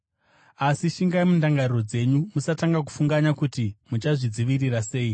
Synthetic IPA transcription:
asiʃiŋɡaimundaŋɡariro̞d͡ze̞ɲumusataŋɡaku̥fuŋɡaɲakutimut͡ʃaʐid͡ziʋirirase̞ːi

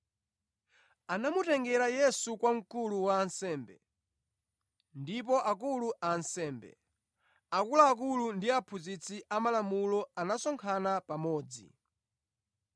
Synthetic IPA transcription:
anamutɛŋɡɛɾajɛsukwaŋ̩kuluwaːnsɛːmbɛ̰ | ndip̬ɔʔak̬uluʔansɛːmbɛ̰ | akulaːk̬ulundiapʰuzit͡sʰiʔamalamulɔanasɔŋkʰanapamɔːd͡zḭ

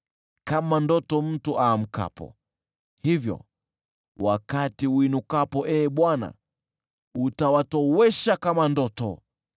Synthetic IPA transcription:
kamandɔtɔm̩tuʔaːm̩ka̰pɔ̰ | hivjɔ̰ | wakatiwinukapɔʔɛːɓwana̰ | utawatɔwɛʃakamandɔtɔ̰

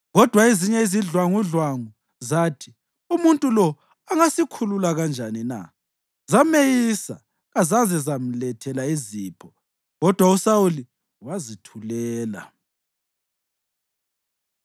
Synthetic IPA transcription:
ɣɔd̥ʱwaeziɲɛiziɮwaŋuɮwaŋu | zaːtʰi̥ | umuntʼulɔ | aŋasikʰululaɣand͡ʒʱanina̰ | zamejisa̰ | ɣazazɛzam̩lɛtʰɛlaiziːpʰɔ | ɣɔd̥ʱwausawuli | wazitʰulɛːla̰

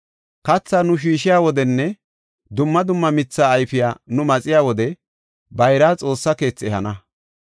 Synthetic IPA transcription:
kɐt͡sːaːnʊʃ̬iːʃɪjaːwɔd̪ɛnːɛ | d̪ʊmːɐd̪ʊmːɐmɪt͡sːaːjfɪjaːnʊmɐt͡sʼɪjaːwɔd̪ɛ | bɐjɾaːt͡sʼo̞ːsːɐke̞ːt͡sːɛhɐnɐ

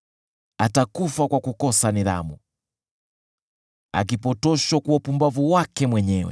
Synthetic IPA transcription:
atakufakwakukɔsaniɾa̰mu | a̰k̬ipɔtɔʃakuapumbavuwakɛmwɛɲɛwɛ̰

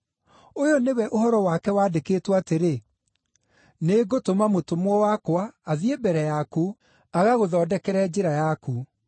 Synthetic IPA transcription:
ojonewɛʔohɔɾɔwakɛwaːdekeːtwateɾe | neːɡotomamotomwɔwakwaːðiebɛɾɛjaku | aɣaɣoðɔːdɛkɛɾɛd͡ʑeɾajaku

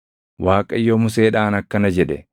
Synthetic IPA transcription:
waːkʼɐɪjːomʊseːᶑaːnɐkːɐnɐd͡ʒɛᶑɛ

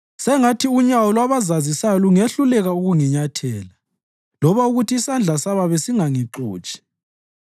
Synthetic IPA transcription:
sɛŋatʰiuɲawɔlwaβazazisajɔluŋeɬulɛɣauɣuŋiɲatʰɛːla | lɔβauɣutʰiːsand͡ɮʱasaβaβesiŋaŋiǁṵːt͡ʃʼi̥

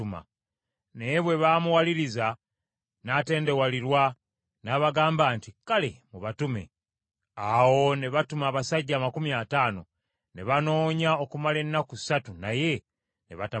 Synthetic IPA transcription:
uma̰ | neβwe̞βaːmuwaliɾiza | nate̞ːnde̞waliɾwa | naβaɡaːmbaːntikale̞̰muβatume̞̰ | awo̞ne̞βatumaːβasaɟːaːmakumjaːtaːno̞̰ | ne̞βano̞ːɲao̞kumale̞nːaku̥satunaje̞ | neβata

